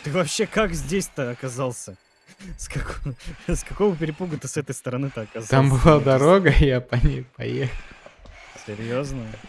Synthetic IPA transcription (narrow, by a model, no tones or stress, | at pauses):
t̪ɨvɐpɕːe̞kakzʲdʲesʲt̪ɨɐkɐzalˠsʲə | skɐkoskɐko̞vəpʲɪɾʲɪpuɡət̪ɨsɛt̪əjst̪əɾɐnɨt̪ɨɐkazt̪ambɨlˠad̪ɐɾo̞ɡəjapɐnʲejpɐ̰jexəlˠ | sʲɪɾʲjoznə